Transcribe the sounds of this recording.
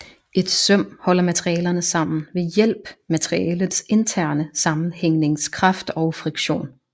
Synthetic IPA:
e̝d̥sœm̰hɒ̽l̰ɐmæt͡sʰʁiɛːlɐnəsɑ̈m̰n̩ʋe̝jel̰b̥mæt͡sʰʁiɛːlð̩ˠse̝nt͡sʰæɐ̰nəsɑ̈mn̩heŋ̰ne̝ŋskʰʁɑ̈fd̥ɒʊfʁiɡ̥ɕo̝̰ːn

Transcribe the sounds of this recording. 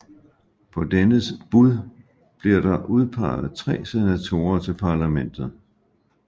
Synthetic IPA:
pʰɒ̽d̥enəsb̥uð̞ˠ | b̥liɐ̰ɾ̥ɑ̈ʔuðˠpʰɑ̈ɪð̩ˠt͡sʰʁɛ̰ːse̝næt͡sʰo̝̰ːɐt͡sʰe̝lpʰɑ̈læmen̰d̥ð̞̩ˠ

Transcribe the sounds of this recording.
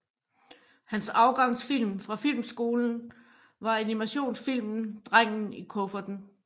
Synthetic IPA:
hænsɑ̈ʊɡ̥ɑ̈ŋ̰sfil̰mfʁɑ̈fil̰msɡ̥o̝ːln̩ | ʋɑ̈ænimæɕo̝̰ːnsfil̰mn̩d̥ʁaŋ̰n̩ikʰɔfɐd̥n̩

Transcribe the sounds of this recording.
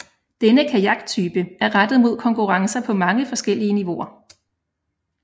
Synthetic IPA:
d̥enəkʰæjɑ̈ɡ̥t͡sʰyːb̥əʔæɐʁad̥ð̞̩ˠmo̝ð̰ˠkʰɒ̽ŋkʰuʁɑ̈ŋsɐpʰɒ̽mɑ̈ŋəfɒ̽sɡ̥el̰iəniʋo̝ɐ

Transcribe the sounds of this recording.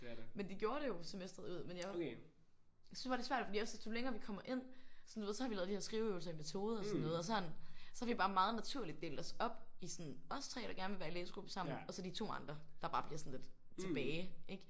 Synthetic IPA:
mend̥e̝ɡ̥jo̝ːɐɾe̝jo̝semesd̥ʁɐðˠuð̞̰ˠmenja | jsynsb̥ɑ̈de̝sʋæɐ̰d̥fdḭːɒ̽sesd̥ʰoleŋɐːʋikʰɒ̽m̰ɐʔe̝n̰sɒnduʋe̝ð̰ˠsɒhɑ̈ʋiɛðˠdihæɐsɡ̥ʁiʊøʊlsɐimet͡sʰo̝ːð̞ˠɐɒsɒnːɔːð̞̩ˠɒsɒnsɒ̽hɑ̈ʋ̥ib̥ɑ̈ːmɑ̈ːð̞̩ˠnæt͡sʰuɐ̰lid̥̚d̥e̝ːld̥ɒ̽sɒ̽b̥isɒnɒ̽st͡sʰʁɛ̰ːɾ̥ɑ̈ɡ̥æɐnəʋe̝ʋæːɐilḛːsɡ̥ub̥ə̥sɑ̈m̰n̩ɒ̽sɒ̽d̥it͡sʰo̝̰ːɑ̈nd̥ʁɐd̥ɑ̈b̥ɑ̈ːb̥liɐsɒn̩le̝d̥ | t͡sʰe̝b̥ɛːe̝ɡ̥

